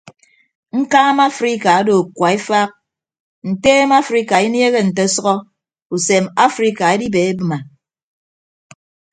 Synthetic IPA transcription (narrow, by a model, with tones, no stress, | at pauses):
ŋ̩˦kaː˦ma˦fɾi˦ka˨a˦do˨kwa˨e˦fa˦k̚ | n̩˨teː˦ma˦fɾi˦ka˨i˦nje˦ɣe˦n̩˨te˦sɔ˦ɣɔ˦ | u˨se˨ma˦fɾi˦ka˨e˦di˦be˨e˦bɨ˦ma˨